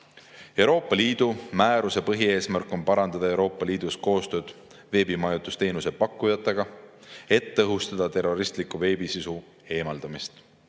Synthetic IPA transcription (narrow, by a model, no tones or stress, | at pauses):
e̞wɾo̞ːpːˑɑliːd̪̥umæːɾuse̞pɤɦie̞ːsmærkːˑo̞npɑɾɑnd̪ɑd̪ɑe̞wɾo̞ːpːˑɑliːd̪̥usko̞ːst̪ø̞ːd̪̥ | ve̞ːbimɑjut̪ust̪e̞ːnuse̞pɑkːˑujɑt̪ːˑeɡ̥ɑ | e̞t̪ːɤɦust̪ɑd̪̥ɑt̪e̞rːo̞ɾist̪likːuve̞ːbisisu | e̞ːmɑld̪̥ɑmist̪